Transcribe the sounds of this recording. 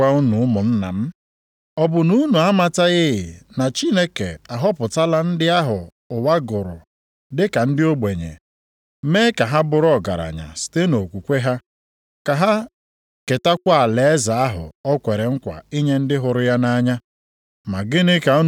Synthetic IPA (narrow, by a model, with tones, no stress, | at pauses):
a˦u˦nu˨ʊ˦mʊ˨n̩˦na̰˨m̩˦ | ɔ˦bʊ˨nu˦nu˨a˦ma˦ta˦ɣɪ˦ɣɪ̰˨na˨t͡ʃi˦ne˦ke˨a˨ɦɔ˦pʊ˨ta˦la˦n̩˦dɪ˦a˦ɦʊ˨ | ʊ˨wa˦ɡʊ˨ɾʊ̰˨ | dɪ˦ka˨n̩˦dɪ˦o˦ɡ͡be˨ɲḛ˨ | meː˦ka˨ɦa˦bʊ˦ɾɔ˦˨ɡa̰˨ɾa̰˨ɲa̰˨si̥˨te˦no˨kʷu˨kʷe˦ɦa˦ | ka˨ɦa˦ | ke˨ta˦kʷa˦a˨le˨e˦za˨a˦ɦʊ̰˨ɔ˦kʷe˨ɾe˨ŋ̩˦kʷa̰˨i˦ɲe˦n̩˦dɪ˦ɦʊ˨ɾʊ˦ja˦na˦ɲa˦ | ma˨ɡɪ˦nɪ˦ka˨u˦